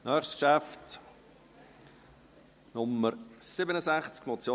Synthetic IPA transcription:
nœːχskʃæft | nʊmːəɾsɪbənəsæχt͡skmɔt͡sjo

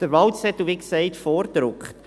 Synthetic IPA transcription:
d̥əɾʋɑwtsɛt̪ːuʋiksɛɪt̪fɔːɾd̪̥ɾʊkχt

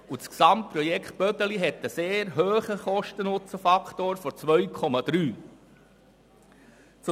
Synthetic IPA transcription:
ut͡sksɑmt̚pɾɔjɛkχt̚b̥œt̪əliɦɛt̪ːəseːɾɦøːχəχɔʃtənʊt͡səfɑkʰt̪oːɾfɔt͡sʋœɥkʰɔmɑd̥̪ɾyː | t͡s

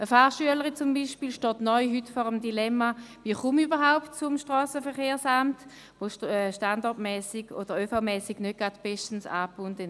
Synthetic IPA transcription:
əfaχʃyələʁit͡sʊmbiːʃpiːlʃtɔːtnɔʏɦytfɔʁəmdilɛmaviːχumybəʁɦaʊptt͡sʊmʃtʁɔːsəfəɐχeːɐsamt | voʃtandɔɐtmɛːsiɡ̥o̰d̥əʁøːfamɛːsiɡ̥nød̚ɡ̥ʁad̥b̥ɛʃtən̩sa̰ːpuntə

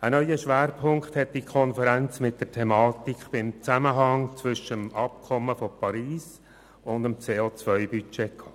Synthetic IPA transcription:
ənœʏəʃʋæːɾpʰʊŋkχt̪hɛt̚d̥ikʰɔnfəɾænt͡smɪt̚dərtʰɛmɑːt̪ikχb̥ɪmt͡sæməɦɑŋt͡sʋʏʃəəmɑp̚kʰɔmːəfɔpɑɾiːs | ʊndəmt͡seːoːt͡sʋœʏbyt͡ʃɛkʰɑ̥ː

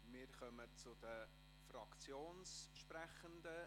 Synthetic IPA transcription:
mɪːɾχœmət͡sʊd̥ə | frɑkt͡sjoːnsʃpɾæχənd̪ə

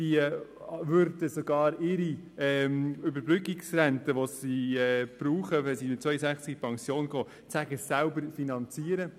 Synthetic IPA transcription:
si | vʏɾdəsoɡɑːɾɪɾiɛʏbəɾbrʏkiksrɛntəʋosiɛb̥ɾuːχəʋɛsimɪt̚t͡sʋœʏəsæχt͡skpʰɑŋsjoːnɡɔ | t͡sæɡ̥əsælbəɾfinɑnt͡siːəɾə

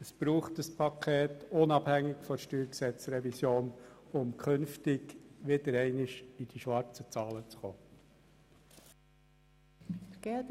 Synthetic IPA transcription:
əsb̥ɾuːχtəspʰɑkʰeːt̪ʊnɑbhæŋːɪkfɔʃtyːɾksɛt͡sɾɛvisjoːnʊmkʰʏnftɪɡʋɪd̥əɾɛɪnɪʃid̥iʃʋɑɾt͡sət͡sɑːlət͡sχoː | ɡ̥ɛd

